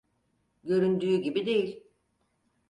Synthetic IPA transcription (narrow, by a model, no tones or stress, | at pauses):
ɟø̞ɾynd̪yːɟibid̪e̞jilʲ